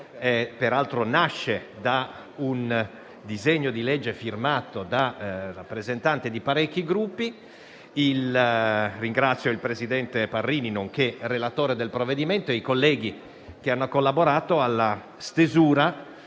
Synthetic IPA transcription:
ɛpeɾalt̪ɾonaʃːed̪a | un | d̪izeɲːod̪iled͡ʒːefirmaːt̪od̪arapːɾezent̪ant̪ed̪ipaɾɛkːiɡɾupːi | il | riŋɡɾat̪sːjoilpɾezid̪ɛnt̪eparːiːninoŋk̟erelat̪oːɾed̪elpɾoved̪iment̪oeikolːɛːɡi | k̟eanːokolːaboɾaːt̪oalːa | st̪ezuːɾa

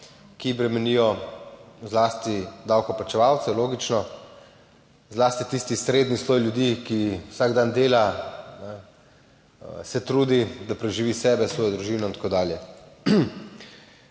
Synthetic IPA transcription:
kibɾɛmɛniːjɔ | zlaːst̪id̪aːwkɔplat͡ʃɛʋaːwt̪sɛloːɡit͡ʃnɔ | zlaːst̪it̪ist̪isɾeːd̪nisloːjljud̪ikiwsaɡd̪and̪eːlanɛ | sɛt̪ɾuːd̪id̪apɾɛʒiʋiːsɛːbɛsʋɔːjɔd̪ɾuʒiːnɔint̪ḁkoːd̪aːljɛ

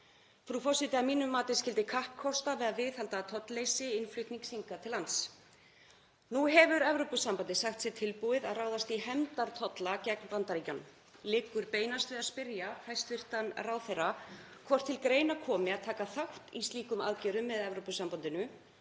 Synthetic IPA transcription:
fɾufɔsɪt̪ɪamiːnʏmːaːt̪ɪs̬cɪlt̪ɪkʰahp̚kʰɔst̪avɛðaðvɪθhalt̪at̪ʰɔt̪lejsɪɪnflʏht̪niŋksiŋkat̪ʰɪlant̪s | nuɦɛvʏɾɛvɾowpʏsampant̪ɪsaxt̪sɪt̪ʰɪlpuɪðaðraːwðast̪iɦɛmt̪aɾ̥t̪ʰɔt̪lacɛknpant̪aɾicɔn | lɪkːʏɾpeːjnast̪vɪðaðspɪɾjafajst̪vɪr̥t̪anrawθejrakʰvɔr̥t̪ʰːɪlkɾeːjnakʰɔːmɪaðt̪ʰaːkaθawt̪ist̪liːkʏma̰ðcɛːɾʏmːɛðɛvɾopʏsampant̪ɪnʏ

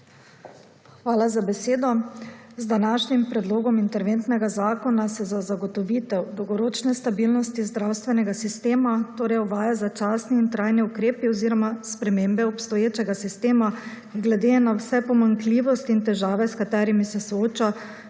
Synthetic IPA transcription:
xʋaːlazabɛseːd̪ɔzd̪anaːʃnimpɾɛd̪loːɡɔmint̪ɛɾʋent̪nɛɡazaːkɔnasɛzazaɡɔt̪ɔʋit̪ɛwd̪ɔwɡɔɾoːt͡ʃnɛst̪abilnɔst̪izd̪ɾawst̪ʋɛnɛɡasist̪eːmat̪oːɾɛjɔʋaːjazat͡ʃaːsniːnt̪ɾajniukɾeːpiɔziːɾɔmaspɾɛmeːmbɛɔpst̪ɔjeːt͡ʃɛɡasist̪eːma | ɡlɛd̪enawsɛpɔmaŋkliːʋɔst̪iint̪ɛʒaːʋɛskat̪ɛːɾimisɛsɔoːt͡ʃa

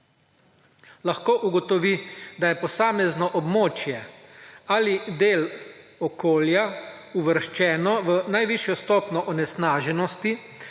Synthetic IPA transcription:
laxkoːʔuɡɔt̪ɔʋid̪ajɛpɔsaːmɛznɔʔɔbmoːt͡ʃjɛ | aːlid̪eːlɔkoːljauʋəɾʃt͡ʃɛːnɔʋənajʋiʃjɔst̪ɔːpnɔʔɔnɛsnaːʒɛnɔst̪i

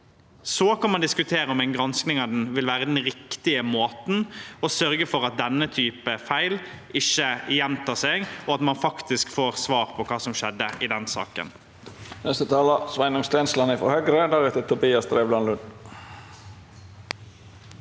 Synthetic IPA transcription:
sɔːkʰɑnmɑnd̪ɪskʉt̪ʰeːɾəɔmæɪnɡɾɑnsknɪŋɑʋd̪nʋɪlʋæːʁəd̪ɛnʁɪkt̪ɪəmoːt̪n̩ɔsœɾɡəfɔʁɑt̪̚d̪ɛnːət̪ʰyːpəfæɪlʔɪçːəjɛmt̪ʰɑːseːɡɔɑt̪mɑnfɑkt̪ɪskfoːʁsʋɑːʁpʰɔkʰɑːsɔmʃɛd̪ːəɪd̪ɛnsɑ̰ːkə̰n | nɛst̪ət̪ʰɑːlɑsʋæɪnʊŋst̪ɛːnslɑnɪfɔ̰hœɡɾəd̪æɾʉt̪ət̪ʰʊbiːɑsd̪ɾeːʋblɑnlʉn

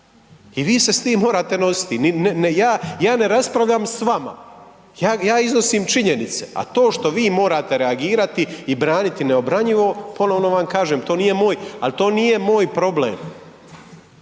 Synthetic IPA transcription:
iʋiːse̞st̪iːmːo̞ːɾaːt̪e̞no̞si̥t̪ininnjaːjaːne̞ɾaspɾaʋʎamsʋama̰ | jaːjaːizno̞siːmt͡ʃiɲe̞nit̪se̞̰a̰t̪o̞ːʃt̪o̞ʋiːmo̞ːɾaːt̪e̞ɾe̞aɡiːɾat̪iibɾaːnit̪ineo̞bɾaɲiʋo̞po̞no̞ʋno̞ʋamkaːʒeːmt̪o̞ːnije̞moːjalt̪o̞ːnije̞mo̞ːjpɾo̞blḛːm

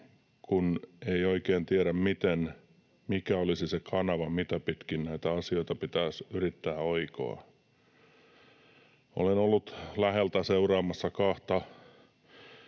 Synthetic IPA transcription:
kuneioikeːnt̪ieɾæmmit̪en | mikæolisisekʰɑnɑʋɑmit̪æpit̪kinnæit̪æɑsioit̪ɑpit̪æːsyrit̪ːæːoiko̰ɑ̰ | o̰lenolːut̪læhelt̪æseurɑːmɑsːɑkɑht̪ɑ

